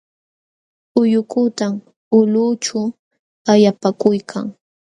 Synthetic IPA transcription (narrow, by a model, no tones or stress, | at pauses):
ʊjʊkʊt̪am | ʊlʊt͡ʃa | ajapakʊjkʰa̰ŋ